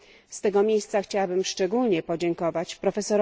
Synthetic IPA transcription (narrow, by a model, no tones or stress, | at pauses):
st̪ɛɡɔmʲjejst̪saxt͡ɕawabɘmʂt͡ʂɛɡulɲɛpɔd͡ʑɛŋkɔvat͡ɕpɾɔfɛsɔɾ